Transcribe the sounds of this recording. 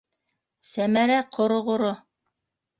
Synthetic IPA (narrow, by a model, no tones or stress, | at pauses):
sæmæɾæqʰŏɾŏʁŏɾo